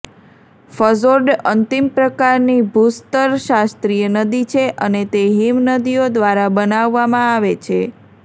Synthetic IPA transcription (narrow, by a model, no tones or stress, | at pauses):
fəzoɾɖənt̪impɾəkaɾnibʱust̪əɾʃast̪ɾijənəd̪it͡ʃʰeʔənet̪eɦimnəd̪ijod̪ʋaɾabənaʋːamãaʋet͡ʃʰe